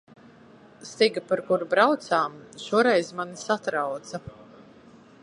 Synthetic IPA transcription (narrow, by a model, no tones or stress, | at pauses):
st̪iɡapaɾkuɾubɾawt̪saːmʃuɔɾɛjzmanisat̪ɾawt̪sa